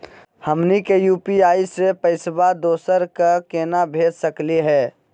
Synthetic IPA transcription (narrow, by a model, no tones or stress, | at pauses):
həmnikejuːpiaːisepəɪsbad̪oːsəɾkakeːnabʱeːd͡ʒsəkliɦɛː